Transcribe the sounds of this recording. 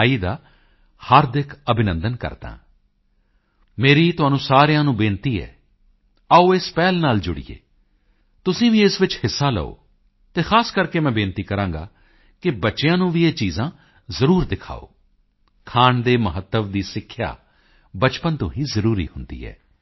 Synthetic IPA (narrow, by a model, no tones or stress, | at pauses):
iːd̪aː | həɾd̪ɪkʰəbɪnə̃nd̪ənkə̰ɾd̪ã̰ː | meːɾiːt̪ʊɦaːnũːsaːɾjãːnũːbẽːnt̪iːɛ̰ː | aoːɪspɛːlnaːld͡ʒʊɽḭḛː | t̪ʊsĩːʋĩːɪsʋɪt͡ʃhɪsːaːlə̰o̰ː | t̪eːxʰaːskəɾkeːmɛ̃ːbẽːnt̪iːkəɾãːŋɡa̰ː | kɪbətːʃejãːnũːʋieːt͡ʃiːzãː | zəɾuːɾd̪ɪkʰa̰ːo̰ː | kʰaːɳd̪eːməɦət̪ːəʋd̪iːsɪkʰːja̰ː | bət͡ʃpənt̪ʊɦĩːzəɾuːɾḭːhʊnd̪ḭːɦɛ̰ː